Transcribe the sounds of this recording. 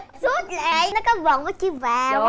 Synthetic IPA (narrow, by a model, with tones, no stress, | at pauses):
zu˦˥t̚laː˨˩˨jnɔ˨˦kɔ˨˦və̰˨nvəː˨˦jt͡ɕi˧˦vaː˨˩w